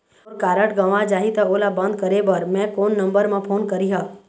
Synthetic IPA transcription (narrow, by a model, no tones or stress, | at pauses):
kaɾəʈɡəʋãd͡ʒaɦit̪əolabənd̪̚kəɾebəɾmɛ̃konːəmbəɾmãpʰonkəɾiɦa